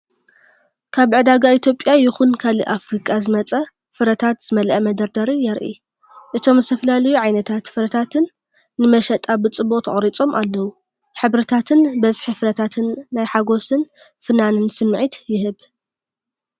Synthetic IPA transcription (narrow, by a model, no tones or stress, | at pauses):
kʰaβʕɨd̪aɡait̪ʰjo̞pʼjajɪxunkʰalḭʔafɾikʼazɨmɐt͡sʼɐ | fɨɾɐt̪ʰat̪z̥ɨmɐlʔɐmɐd̪ɐɾd̪ɐɾijɛɾʔḭ | ʔɨt̪ʰo̞mzɨt̪ʰɐfɐlalɐjuʕajnɐt̪ʰat̪fɨɾɐt̪ʰat̪ʰɨnː | ɨmɐʃɐt̪ʼabɨt͡sʼɨboqʼt̪ʰɐχʼɾit͡sʼo̞mʔalːɐwu | ħɨβɾɨt̪ʰat̪ʰɨnbɐzħifɨɾɐt̪ʰat̪ʰɨnːajħaɡo̞sɨn | fɨnanɨnsɨmːʕit̪jɪɦɨβ